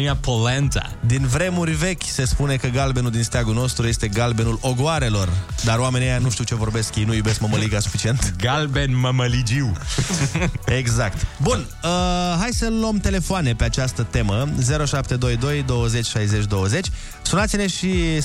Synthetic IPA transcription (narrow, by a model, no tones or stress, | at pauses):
japʰolɛnt̪a̰d̪invɾe̞murʲve̞kʲse̞spune̞kəɡalbe̞nuld̪inst̪eaɡuno̞st̪ɾujest̪e̞ɡalbe̞nulo̞ɡoaɾe̞lo̞rd̪aɾoamenejanuʃt̪iwt͡ʃe̞vo̞rbe̞skjejnujube̞skməməliɡasu̥fit͡ʃie̞nt̪ɡalbenməməlid͡ʒiw | e̞ɡzakt̪bun | əɦajsəlomt̪e̞le̞foane̞pe̞at͡ʃast̪ət̪e̞məze̞ɾo̞ʃapt̪e̞d̪o̞jd̪o̞jd̪o̞wəze̞t͡ʃʲʃajze̞t͡ʃʲd̪o̞wəzet͡ʃʲ | sunat̪sile̞ʃi